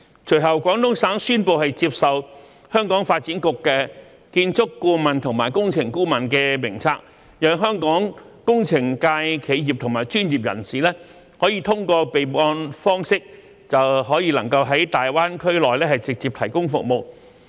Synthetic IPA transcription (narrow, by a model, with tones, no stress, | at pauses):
t͡ʃʰɵ˨˩jɦɐ˨wkʷɔː˨˥ŋt̪ʊ˥ŋsaː˨˥ŋsyː˥npo˨wɦɐ˨jt͡siː˧p̚sɐ˨w | hœː˥ŋkɔː˨˥ŋfaː˧t̚t͡siː˨˥nkʊ˨kːɛː˧ | kiː˧nt͡sʊ˥kːuː˧mɐ˨nt̪ʰʊ˨˩ŋmaː˨˩jkʊ˥ŋt͡sʰɪ˨˩ŋkuː˥mɐ˨nkɛː˧mɪ˨˩ŋt͡sʰaː˧k̚ | jɐː˨˥ŋɦœː˥ŋkɔː˨˥ŋ | kʊ˥ŋt͡sʰɪ˨˩ŋkaː˧jkʰe˨˧jjːi˨p̚t̪ʰʊ˨˩ŋmaː˨˩jt͡ʃyː˥njiː˨p̚jɐ̰˨˩nsiː˨˩lɛː˥ | hɔː˨˥jiː˧t̪ʰʊ˥ŋkɔː˧pe˨jpɔː˧nfɔː˥ŋsɪ˥k̚ | t͡sɐ˨wɦɔː˨˥jiː˧lɐ˨˩ŋkɐ˧wɦɐ˨˥jt̪aː˨jwaː˥nkʰɵ˥ɥlɔː˨jlɛː˥hɐ˨jt͡sɪ˨k̚t͡siː˨p̚t̪ʰɐ˨˩jkʊ˥ŋfʊ˨k̚mo˨w